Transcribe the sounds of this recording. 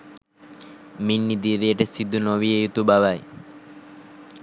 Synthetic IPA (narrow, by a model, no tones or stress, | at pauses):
minːid̪iɾeeʈesid̪ʱːunoβiejut̪ubaβaj